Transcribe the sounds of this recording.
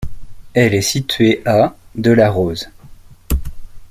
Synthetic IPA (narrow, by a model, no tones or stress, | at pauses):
ɛlɛsit̪ɥeʔad̪əlaʁoz